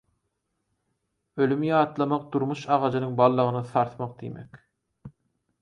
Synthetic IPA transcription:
ølymjɑːt̪lˠɑmɑq̚d̪̥uɾmuʃɑʁɑd͡ʒɯnɯŋbɑlˠːɯʁɯnɯθɑɾt̪mɑq̚d̪ḭmek

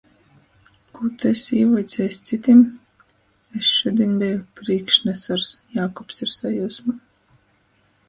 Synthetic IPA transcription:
kut̪ɛsʲiːvɔjt̪sʲɛst̪sit̪ʲim | esʃud̪ʲiɛnbʲɛjupɾiːkʃnɛsaɾsjaːkɔpsiɾsajuːsma

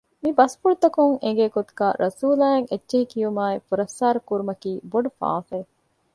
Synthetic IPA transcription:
mibɐspuɽt̪ɐkuŋeŋ̆ɡeːkot̪u̥ɡaːɾʔɐsuːlaːeŋetːʃeɦikijumaːefuɾɐfsaːɾɐkuɾumɐkiːboɖufa̰ːfe

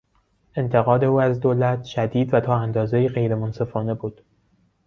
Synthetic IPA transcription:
ʔe̞nt̪ʰe̞ɣɒːd̪e̞uːæzd̪olæt̪ʰʃæd̪iːd̪væt̪ʰɒːænd̪ɒːzejiːɣe̞jɾe̞monse̞fɒːne̞buːd̪̥

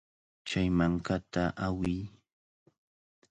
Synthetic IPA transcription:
t͡ʃajmaŋkat̪aʔawɪj

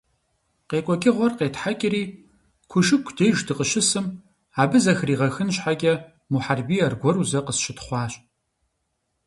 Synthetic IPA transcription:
qeːkʷʼɔkʲʼɪʁʷɔrqeːtħakʲʼɪriː | kʷʰʊʃɨkʷʰd̥eːjʒdɨqəʃɪsɨm | aːbɨzɐxriːʁɐxɨnɕħaɡʲʼɛ | muħarbiːɐrɡʷɔɾuzɐqəsʃɪtχʷɑːɕʼ

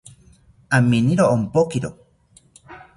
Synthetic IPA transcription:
aminiɾoːmpokiɾo̰

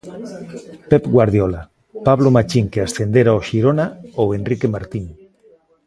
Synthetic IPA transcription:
pepɡwaɾð̞jola | paβlomat͡ʃiŋkeasθend̪eɾaoʃiɾonaoenrikemaɾt̪iŋ

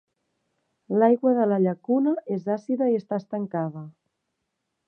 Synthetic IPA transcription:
lajɣwəðələʎəkunəezasiðəiəst̪aəst̪əŋkaðə

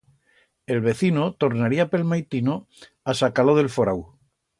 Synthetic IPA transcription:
e̞lβe̞θinot̪o̞ɾnaɾiape̞lmajt̪ino | asakaloðelfoɾaw

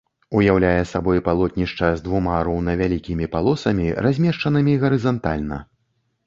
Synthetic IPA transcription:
ujawlʲajɛsabɔjpalˠɔt̪̚ʲnʲiʂt͡ʂɐzʲd̪vumaɾɔwnɐvʲalʲikʲimʲipalˠɔsɐmʲirʔazʲmʲɛʂt͡ʂɐnɨmʲiɣɐɾɨzant̪alʲnɐ̰

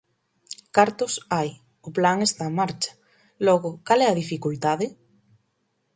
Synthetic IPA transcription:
kaɾt̪ʊsaj | ʊplaŋest̪amaɾt͡ʃḁ | lɔɣʊkalɛaðifikult̪aðɪ

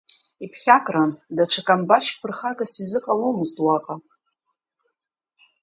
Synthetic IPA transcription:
ipʰχʲakʼrandaʈ͡ʂʷʰakʼambaʃpʰɨrχakʼasizɨqʼalomɨztʼwaqʼa

